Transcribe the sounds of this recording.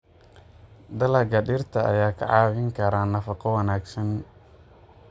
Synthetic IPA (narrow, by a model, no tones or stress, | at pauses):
d̪ɐlɐɡɐɖɪrt̪ʰɐʔɐ̰jaːkʰɐ̰ʕɑːwɪŋkʰɐɾaːnːɐfɑqɔwɑnaːɡsɐn